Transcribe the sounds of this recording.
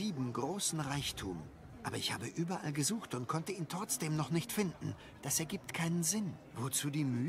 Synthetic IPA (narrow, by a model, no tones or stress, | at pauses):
iːbm̩ɡʁoːsn̩ʁaɪçtʰṵːm | ʔʔaːbɐɪçha̰ːbəʔyːbɐʔalɡəzuːxtʊntkʰɔntəiːntʁ̥ɔt͡sd̥eːmnɔχnɪçtfɪndn̩ | d̥asɛɐɡiːp̚tkʰaɪnənzɪnvot͡suːdiːmyː